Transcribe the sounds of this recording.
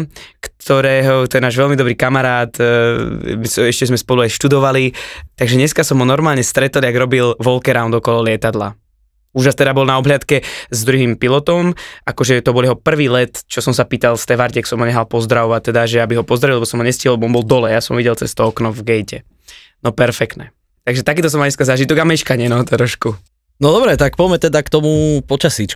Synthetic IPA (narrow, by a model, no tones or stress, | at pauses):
kt̪ʰɔɾɛːɦɔt̪ɔjɛnaːʒʋɛlmid̪ɔbɾiːkamaɾaːt̪ | misɛʃcɛzmɛspɔluaɪʃt̪ud̪ɔʋalit̪aɡʒɛɲɛskasɔmɦɔnɔɾmaːlɲɛst̪ɾɛt̪ɔliaɡɾɔbilʋɔlkɛɾaʊnd̪ɔkɔlɔlɪɛt̪ad̪la̰ | uːʒast̪ɛd̪abɔlnaɔblɪat̪kɛzd̪ɾuɦiːmpilɔt̪ɔmakɔʒɛt̪ɔbɔljɛɦɔpr̩ʋiːlɛt̪t͡ʃɔsɔmsapiːt̪alst̪ɛʋaɾcɛksɔmɦɔɲɛxalpɔzd̪ɾaʋɔʋat̚t̪ɛd̪aʒɛabiɦɔpɔzd̪ɾaʋilɛbɔsɔmɦɔɲɛsciɦilɛbɔɔnbɔlˠd̪ɔlɛjasɔmɔʋiɟɛlt͡sɛ̰st̪ɔɔknɔvɡɛjcɛ | nɔpɛɾfɛkt̪nɛ | t̪aɡʒɛt̪akiːt̪ɔs̬ɔmaɲɛskazaːʒit̪ɔɡamɛʃkaɲɛnɔt̪ɾɔʃku | nɔd̪ɔbɾɛt̪ak̚pɔjmɛt̪ɛd̪akt̪ɔmupɔt͡ʃasit͡ʃ